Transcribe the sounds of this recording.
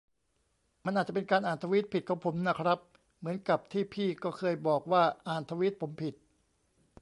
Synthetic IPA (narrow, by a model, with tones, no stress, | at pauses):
ma˧nʔa˨˩t͡ɕa˨˩pe˧nkaː˧nʔaː˨˩nt̪ʰa˧wi˦˥t̪̚pʰi˨˩t̪̚kʰa˨˩˥pʰo˩˦mna˦˥kʰɾa˦˥p̚ | mɯ˩˦ənka˨˩p̚t̪ʰiː˥˩pʰiː˥˩kɔː˥˩kʰɤː˧jbɔː˨˩k̚waː˥˩ʔaː˨˩nt̪ʰa˧wi˦˥t̪̚pʰo˩˦mpʰi˨˩t̪̚